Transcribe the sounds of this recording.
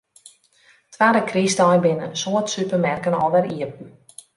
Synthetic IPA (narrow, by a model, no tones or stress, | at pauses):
tʰʋaːdəkristɔjbɪnə̰nsoətsypərmɛrkənɔlˠʋɛɾiəp̚n̩